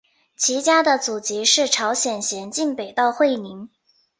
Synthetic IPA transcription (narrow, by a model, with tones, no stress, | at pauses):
t͡ɕʰi˧˥t͡ɕja˥d̪ə˨t͡su˨˩t͡ɕi˧˥ʂɻ̩˥˩ʈ͡ʂʰɑ˧˥ʊɕjɛ˨˩nɕjɛ˧˥nt͡ɕi˥˩npe˨˩ɪt̪ɑ˥˧ʊxwe˥˩ɪni˧˥ŋ